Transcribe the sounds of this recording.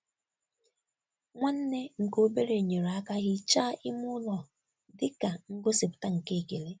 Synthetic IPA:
ŋʷa˦n̩˦ne˦ŋ̩˨ko˦be˦ɾe˨ɲe˨ɾa˦ka˦ɣɪ˦t͡ʃaː˦ʔɪ˦mʊ˦lɔ˨ | dɪ˦ka˨ŋ̩˦ɡo˦si˨pʊ̥˨ta˦ŋ̩˨ke˦˨ke˨le˦

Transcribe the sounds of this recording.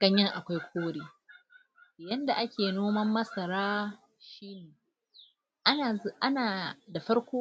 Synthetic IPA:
ɡ̥ɐ˦ɲjɐ˦ŋʔa˨kʷa˦jkʷʰoː˦ɽeː˨ | jɐ˦nda˨ʔa˦kʲʰeː˨noː˦mɐ˦mːɐ˦sɐ˨ɾaː˦ | ʃiː˦neː˨ | ʔa˦˨˦ʔa˦naː˨da˨ɸɐ˦ɽkʷoː˦

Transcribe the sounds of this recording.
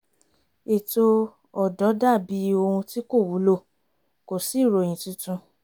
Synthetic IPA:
e˨to˧ | ɔ˨dɔ˨˦da˦˨bi˨˦o˧ũ˧ti˦ko˦˨wu˨˦lo˦˨ | ko˨si˨˦˨ɾo˨j̃ĩ˨tĩ˧˦tũ˧

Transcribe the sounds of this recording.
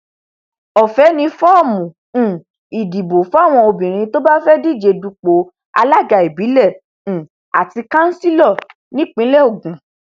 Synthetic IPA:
ɔ˨fɛ˨˦nĩ˧fɔ˦ɔ˦˨mũ˨ | i˨di˨bo˨fɔ˨˦a˦˨w̃ɔ̃˧o˧bĩ˨ɾ̃ĩ˧˦to˦ba˦fɛ˦di˦˨d͡ʒe˧du˧k͡po˨˦ | a̰˧la˦ɡa˨e˨bi˨˦lɛ̃˦˨ | a̰˨ti˧kã˦n̩˦si˦lɔ˦˨ | nĩ˦k͡pĩ˦lɛ˦o˦˨ɡũ˨˦

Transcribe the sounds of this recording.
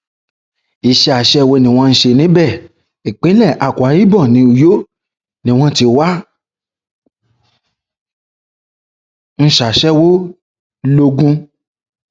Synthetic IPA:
i˨ʃɛ˧˦a˨ʃɛ˦˨wo˧nĩ˧˨w̃ɔ̃˧n̩˧˦ʃe˧nĩ˨˦bɛ˦˨ | i˨k͡pĩ˨˦lɛ˦˨ʔa˨kʷa˨˦ji˦bɔ˦˨nĩ˨˧˦u˨jo˦ | nĩ˧w̃ɔ̃˧ti˧wa˦ | n̩˦ʃa˨ʃɛ˦wo˦ | lo˧ɡũ˧

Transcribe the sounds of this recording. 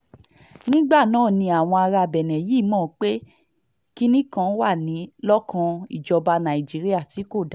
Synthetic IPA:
nĩ˦ɡ͡ba˦˨nãː˨˦˨nĩ˧a˨w̃ɔ̃˧a˧ɾa˧bɛ˨nɛ̃˨jiː˦mɔ̃ː˦˨k͡pe˦ | ki˦nĩ˦kã˧˦wa˦˨nĩ˨˦lɔ˦kʰã˧ḭ˦˨d͡ʒɔ˧ba˧nã˨i˨d͡ʒi˨˦ɾi˦a˦˨ti˨˦ko˦˨d

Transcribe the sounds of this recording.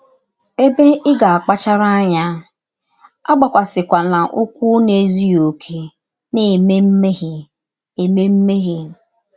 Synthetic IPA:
e˦be˦ʔɪ˦ɡa˨a˨k͡pa˦t͡ʃa˦ɾa˦a˦ɲa˦ | a˦ɡ͡ba˨kʷa˨sɪ˨kʷa˨na˨ʔʊ˦kʷu˦ne˨zi˦o˨kʰe˦ | ne˨me˦m̩˦me˦ɦi˨ | e˨me˦m̩˦me˦ɣi˨

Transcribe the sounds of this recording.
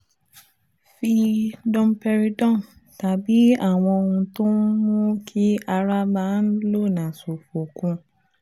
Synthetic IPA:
fi˧dɔ̃˧m˦pɛ˧ɾi˧dɔ̃˦˨n | ta˨bi˨˦a˦˨w̃ɔ̃˧o˧ũ˧to˦mũ˦kʰi˦a˧ɾa˦ba˨˦n̩˦lo˦˨nã˨so˨fo˨kũ˧˦

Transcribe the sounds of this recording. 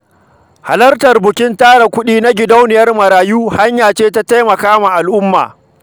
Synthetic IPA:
ha̰˨lɐ˦rtɐ˨rbʊ˨kʲɪ˦ntaː˦ɽa˨kʷʊ˦ɗiː˦na˦ɡʲɪ˨da˦wnɪ˨jɐ˦rmɐ˨ɾaː˨juː˦ha˦ɲjaː˨t͡ʃeː˦ta˦ta˦jmɐ˨kaː˦ma˨ʔa˨lʔʊ˦mːa̰ː˨

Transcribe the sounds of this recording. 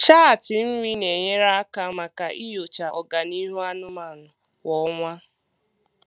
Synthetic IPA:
t͡ʃa˦a˨tɪ˨m̩˦ɾi˦ne˨ɲe˦ɾa˦a˦ka˦ma˨ka˨ʔi˦jo˨t͡ʃa˨ʔɔ˨ɡa˨ni˦ɦu˦a˦nʊ˦ma˨nʊ˨ | wɔ˨˦ŋʷa˦

